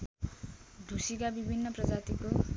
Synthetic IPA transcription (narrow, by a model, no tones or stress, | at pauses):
d̪ʱusikabibʱinːʌprʌd͡zat̪iko